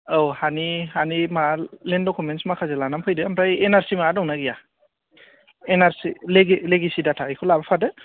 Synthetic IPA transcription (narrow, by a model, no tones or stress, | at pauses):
owhanihanimalendɔkʰumensmakʰazɯlanampʰɯjdɯampʰɾajenaɾsimadɔŋnaɡija | enaɾsileɡileɡisidatʰaikʰolabapʰadɯ